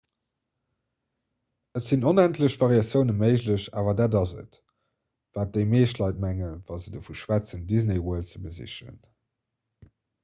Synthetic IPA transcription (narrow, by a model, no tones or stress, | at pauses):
ətz̥inonæntləɕv̥ɑʁiɑsjəʊnəməɪʑləɕa̰ːvɐdaːdɑzə̰t | v̥aːt̚d̥eɪmeːʃtlɑɪt̚mæŋənvɑzədəfuʃwæt͡səndizneɪwuəlt͡səbəzḭɕə̰n